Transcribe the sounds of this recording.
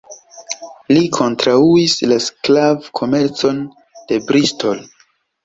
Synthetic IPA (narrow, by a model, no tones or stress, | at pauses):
likʰo̞ntɾauislasklavkʰo̞me̞ɾt͡so̞n | d̥e̞bɾisto̞l